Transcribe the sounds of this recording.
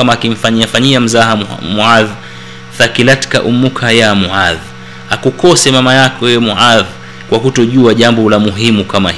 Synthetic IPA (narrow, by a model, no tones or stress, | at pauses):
amaːkim̩faɲiafaɲiam̩zaɦamuað | θakilatkaʔumːukʰajamuʕað | akukɔsɛmamajakɔjɛjɛmuʕað | kwakutɔʄuaʄambɔlamuɦimukamah